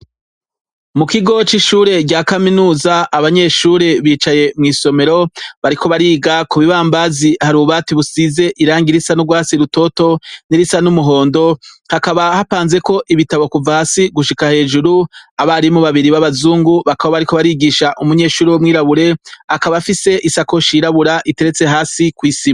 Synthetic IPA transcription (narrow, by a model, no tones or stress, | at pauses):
mukiɡo̞t͡ʃiʃuːɾe̞ɡɟaːkaminuːzaaβaɲe̞ʃuːɾe̞βiːt͡ʃaje̞mŋiːso̞me̞ɾo̞βaɾiko̞βaɾiːɡakuβiβaːmbazihaɾuːβatiβusize̞ʔiɾaːŋɡiɾisanuɡwaːsiɾuto̞to̞niɾisanumuɦo̞ːndo̞ | hakaβahapaːnze̞ko̞ʔiβitaβo̞kuvahaːsiɡuʃikahe̞ːd͡ʒuɾuaβaɾimuβaβiɾiβaβazuːŋɡuβakawoβaɾiko̞βaɾiɡiʃaʔumuɲe̞ːʃuːɾewomŋiːɾaβuɾe̞akaβafise̞ʔisako̞ʃiɾaβuɾaʔite̞ɾe̞t͡se̞ɦaːsikwiːsima